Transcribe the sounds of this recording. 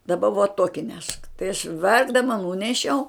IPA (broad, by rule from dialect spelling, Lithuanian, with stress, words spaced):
dɐˈbɐ ʋuɔ ˈtuɔkʲɪ nʲɛʃk tɐɪ ɐʃ ˈʋʲɛrɡdɐmɐ ˈnuːnʲɛʃʲɛʊ